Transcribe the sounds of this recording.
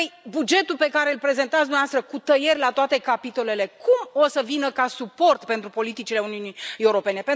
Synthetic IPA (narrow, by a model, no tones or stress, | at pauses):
əjbud͡ʒe̞t̪ulpe̞kaɾe̞ɨlpɾe̞ze̞nt̪at̪sd̪umneast̪ɾəkut̪əje̞rʲlat̪oat̪e̞kapit̪o̞le̞le̞kʰumo̞səvinəkasupo̞rt̪pe̞nt̪ɾupo̞lit̪it͡ʃile̞uniunieuɾo̞pe̞ne̞pen